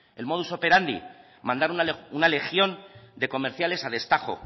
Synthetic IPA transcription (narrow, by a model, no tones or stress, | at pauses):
e̞lmo̞ð̞uso̞pe̞ɾand̪ḭ | mãnd̪aɾunaunale̞xjo̞nd̪e̞ko̞me̞ɾθjale̞saðe̞st̪aχo̞̰